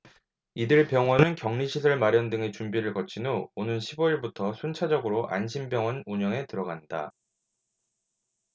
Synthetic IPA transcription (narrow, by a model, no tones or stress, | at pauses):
idɯɭpjʌŋwʌnɯnkjʌŋɲiɕʰisʰʌɭmaɾjʌndɯŋe̞t͡ɕumbiɾɯɭkʌt͡ɕʰinoonɯnɕʰiboiɭbutʰʌsʰunt͡ɕʰad͡ʑʌɡɯɾoʔa̰nɕʰimbjʌŋwʌnuɲʌŋe̞tɯɾʌɡanda̰